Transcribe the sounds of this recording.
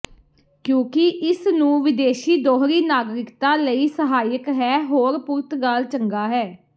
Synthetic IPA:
kjõːkɪʔɪsnũːʋɪd̪eːʃiːd̪oːɦɾiːnaːɡɾɪkt̪ãːləiːsəɦaːjəkɦɛːɦoːɾpʊɾt̪ɡaːlt͡ʃəŋɡaːɦɛː

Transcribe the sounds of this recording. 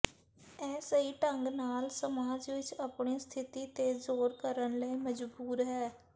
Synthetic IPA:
ɛːsəiːʈə̃ŋɡnaːlsəmaːd͡ʒʋɪt͡ʃəpɳiːst̪ʰɪt̪iːt̪eːzoːɾkəɾənləiːməd͡ʒbuːɾɦɛː

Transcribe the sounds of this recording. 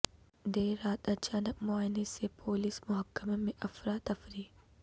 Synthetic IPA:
d̪eːɾaːt̪ɐt͡ʃaːnək̚mʊaːjnesepʰoːlismʊɦɐkːəmemẽʔɐfɾaːt̪ɐfɾiː

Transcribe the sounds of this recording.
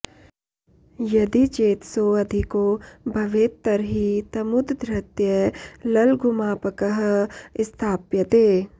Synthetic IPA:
jɐd̪it͡ʃeːt̪soɐd̪ʱikobʱɐʋeːt̪ːəɾɦit̪ɐmʊd̪d̪ʱɾət̪jəlɐlɡʱʊmaːpəkəɦɪst̪ʰaːpjət̪eː

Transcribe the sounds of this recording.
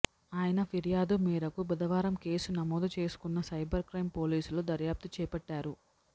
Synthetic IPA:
aːjɐnɐpʰiɾjaːd̪umiːɾɐkubɐd̪ɐʋaːɾɐmke̞ːsunɐmoːd̪ut͡ʃe̞ːsu̥kunːɐsɐjbɐɾkɾɐjmpo̞ːliːsulud̪ɐɾjaːp̚t̪ut͡ʃɛːpɐʈːaːɾu

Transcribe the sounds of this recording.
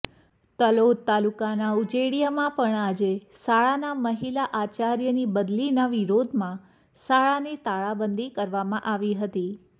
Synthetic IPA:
t̪əlod̪̚t̪alukanaud͡ʒeɽijəmãpəɳad͡ʒe | saɭanaməɦilaʔat͡ʃaɾjənibəd̪linaʋiɾod̪ʱmã | saɭanet̪aɭabənd̪ʱikəɾʋamãʔaʋiɦət̪i

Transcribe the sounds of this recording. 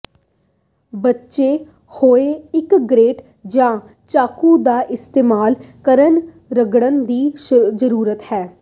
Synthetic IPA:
bətːʃeː | hoːeːɪkɡɾeːʈ | d͡ʒãː | t͡ʃaːkũd̪aːʔɪst̪eːmaːlkəɾən | ɾəɡɽənd̪iːzəɾuːɾət̪hɛː

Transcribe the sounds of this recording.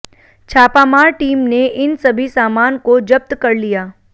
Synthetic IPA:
t͡ʃʰaːpaːmaːɾʈiːmneʔɪnsɐbʱisaːmaːnkod͡ʒɐp̚t̪kɐɾlijaː

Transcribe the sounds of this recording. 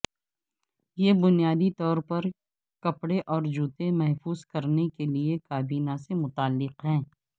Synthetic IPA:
jebʊnijaːd̪it̪ɔːɾpɐɾ | kɐpɽeʔɔːɾd͡ʒuːt̪ẽmɛɦfuːzkɐɾnekeliekaːbiːnasemʊt̪aːlːɪqɦɛ̃ː

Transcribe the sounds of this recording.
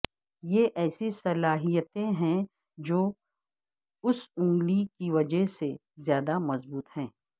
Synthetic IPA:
jeʔɛːsisɐlaːɦijət̪ẽɦɛ̃ | d͡ʒoː | ʊsʊ̃ŋɡlikiʋɐd͡ʒəɦse | zjaːd̪amɐzbuːt̪hɛ̃ː

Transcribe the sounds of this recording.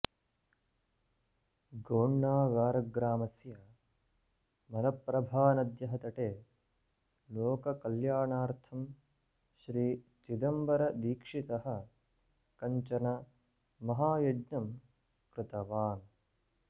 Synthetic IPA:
ɡoːɳːaːɡaːɾɐɡɾaːmɐsjɐ | mɐnɐpːɾɐbʱaːnɐd̪jɐɦɐt̪ɐʈeː | loːkɐkɐljaːɳaːɾt̪ʰɐm | ʃɾiːt͡ʃid̪ɐmbɐɾɐd̪iːkʂit̪ɐɦɐ̆ | kɐɲt͡ʃɐnɐ | mɐɦaːjɐd͡ʒnɐm | kɾɪt̪ɐʋaːn

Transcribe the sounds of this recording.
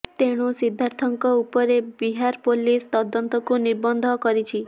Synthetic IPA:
t̪eɽ̃usid̪ʱːaɾt̪ʰɔŋkɔupɔɾebiɦaɾpolist̪ɔd̪ɔnt̪ɔkuniɾbɔnd̪ʱɔkɔɾit͡ʃʰi

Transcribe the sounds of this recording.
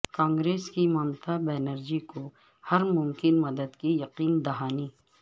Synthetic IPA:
kãːŋɡɾeːskimaːmt̪abɛːnəɾd͡ʒiko | hɐɾmʊmkɪnmɐd̪əd̪kijɐqiːnd̪ɐɦaːniː

